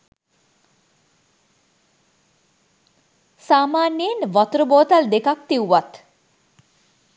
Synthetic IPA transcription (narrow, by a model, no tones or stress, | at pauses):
saːmaːnjinʋɔt̪ɾəboːt̪ald̪ekak̚t̪iwʋat̪